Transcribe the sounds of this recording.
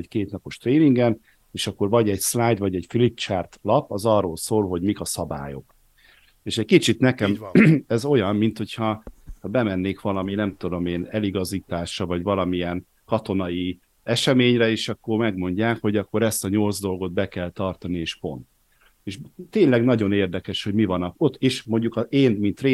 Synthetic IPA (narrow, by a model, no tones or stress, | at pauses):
ckeːt̪nɒpo̞ʃt̪reːniŋɡɛn | eːʃɒkːo̞rvɒɟɛɟslaːjd̪vɒɟɛɟfilit̪t͡ʃart̪lɒpɒzɒrːoːlsoːlɦo̞ɟmikɒsɒba̰ːjo̞̰k | eːʃɛckit͡ʃit̪nɛkɛmɛzo̞jɒmːint̪ho̞chɒhɒbɛmɛnːeːkʋɒlɒminɛmt̪ud̪o̞meːnɛliɡɒziːt̪aːʃrɒvɒɟvɒlɒmiɛn | kɒt̪o̞nɒji | ɛʃɛmeːɲrɛeːʃɒkːo̞rmɛɡmo̞ɲɟaːkho̞ɟɒkːo̞ɾɛst̪ɒɲo̞lzd̪o̞lɡo̞d̪̚bɛkɛlt̪ɒrt̪ɒnieːʃpo̞nt̪ | eːʃt̪eːɲlɛɡnɒɟo̞neːrd̪ɛkɛʃho̞ɟmivɒnɒko̞t̪ːiʃmo̞ɲɟukɒeːnmint̪reː